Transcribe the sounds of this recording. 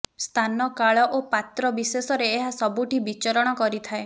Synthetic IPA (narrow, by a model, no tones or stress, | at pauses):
st̪ʰanɔkaɭɔʔopat̪ɾɔbisesɔɾeːɦasɔbuʈibit͡ʃɔɾɔɽ̃ɔkɔɾit̪ʰae